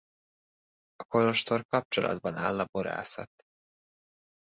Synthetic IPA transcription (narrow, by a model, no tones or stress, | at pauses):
ɒko̞loʃt̪o̞rkɒp̚t͡ʃolɒ̰d̪bɒnaːlːɒbo̞ɾa̰ːsɒt̪